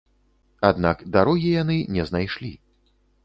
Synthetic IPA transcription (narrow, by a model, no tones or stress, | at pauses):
ad̪nakd̪aɾɔɣʲijanɨnʲɛznajʂlʲi